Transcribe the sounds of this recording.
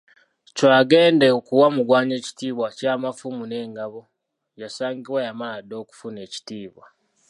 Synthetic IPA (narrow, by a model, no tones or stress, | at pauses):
cwaːɡe̞ːndekuwamuɡwaːɲe̞ːci̥tiːβwacaːmafumune̞ːŋɡaβo | jasaːŋɡiβwajamaladːo̞ːku̥fune̞ːci̥tiːβwa